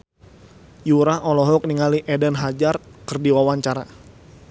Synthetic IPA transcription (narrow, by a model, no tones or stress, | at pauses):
juɾaɦɔlɔɦɔk̚niŋaliʔɛdənɦad͡ʒart̪̚kərdiwawaɲt͡ʃaɾa̰